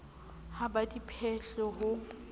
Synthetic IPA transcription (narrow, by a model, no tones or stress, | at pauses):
habadipʰɛɬɔɦʊ